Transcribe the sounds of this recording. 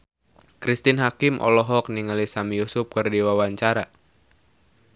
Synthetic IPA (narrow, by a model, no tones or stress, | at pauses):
kɾist̪inɦakimʔɔ̰lɔɦɔk̚niŋalisamijusʊp̚kərdiwawaɲt͡ʃaɾa